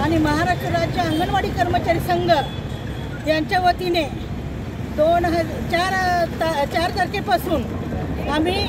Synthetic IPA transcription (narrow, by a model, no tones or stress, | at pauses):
aɽ̃iməɦaɾaʂʈɾəɾad͡ʑd͡ʑjaəŋɡənʋaɽiːkəɾmət͡ɕaɾiːsəŋɡəɾ | t̪jaɲt͡ɕjaʋət̪ine | d̪onɦət͡ɕaɾt̪at͡ɕaɾt̪əɾkepasuːnam̤i